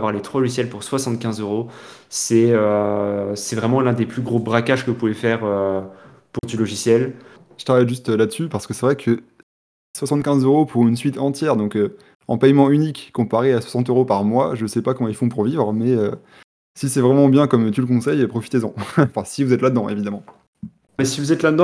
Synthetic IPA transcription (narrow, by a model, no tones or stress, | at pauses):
vwaʁlet̪χwalɔʒisjɛlpuʁswasɑ̃t̪̚kʲɛ̃zøʁosɛø | sɛvʁɛmɑ̃lɛ̃d̪eplyɡʁobʁakaʒkəupuvɛfɛʁø | puʁd̪ylɔʒisjɛl | ʒə̥t̪χavajʒyst̪lad̪əsypaʁsə̥kəsɛvʁɛkʰə | swasɑ̃t̪̚kʲɛ̃zøʁopʰuʁynsɥit̪ɑ̃t̪jɛʁd̪ɔ̃kø | ɑ̰̃pɛjmɑ̃ynikːɔ̃paʁeaswḁsɑ̃t̪øʁopaʁmwaʒəsɛpakɔmɑ̃ilfɔ̃puʁvivʁəmɛø | sisɛvʁɛmɑ̃bjɛ̃kɔmt̪yləkɔ̃sɛjpχɔfi̥t̪ezɑ̃fɛ̃sivuzɛt̪lad̪əd̪ɑ̃ʔevid̪amɑ̃ | mɛsivuzɛt̪lad̪əd̪ɑ̃